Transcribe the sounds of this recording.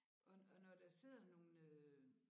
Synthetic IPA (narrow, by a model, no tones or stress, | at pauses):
ʔɒɒnɒd̥ɑse̝ð̰ˠɐno̝ːnø